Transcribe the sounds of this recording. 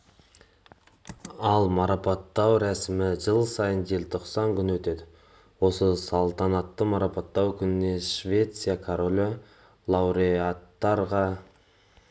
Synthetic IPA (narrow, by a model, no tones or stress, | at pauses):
ɑlˠmɑɾɑpɑt̪ːɑwɾæsɪmɪʒəlˠsɑjənde̞lt̪ʰo̞qsɑŋkʲʰʏnwɵt̪e̞d̪ɪ | wo̞səsɑlˠt̪ɑnɑt̪ːəmɑɾɑpɑt̪ːɑwkʲʰʏnɪne̞ʃvʲe̞t̪sijakʰoɾolʲo | lˠɑwɾeat̪ːɑɾʁɑ